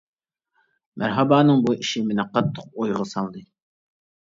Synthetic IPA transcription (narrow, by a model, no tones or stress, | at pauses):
mʔæ̰ɾɦɑbɑːnɨŋbuʔiʃimɪnɛqʰɑt̪ʰːəq̚ojʁəsɑlˠd̪ɨ